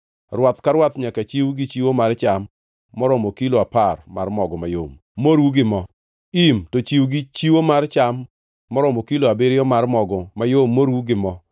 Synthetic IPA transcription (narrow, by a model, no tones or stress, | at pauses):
rwat̪kaɾwat̪ɲakat͡ʃiwɡɪt͡ʃiwomart͡ʃamː | ɔɾɔmokiloaparma̰rmɔɡɔmajo̰m | moɾwuɡɪmɔ | imtot͡ʃiwɡɪt͡ʃiwomart͡ʃamː | ɔɾɔmokiloabeɾɪjɔmarmɔɡɔmajomːoɾwuɡɪmɔ